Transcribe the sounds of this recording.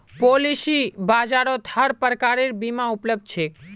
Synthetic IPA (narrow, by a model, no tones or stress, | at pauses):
polisibad͡ʒaɾot̪ʰaɾpəɾkaɾiɾbimãupləb̚d̪̚t͡ʃʰe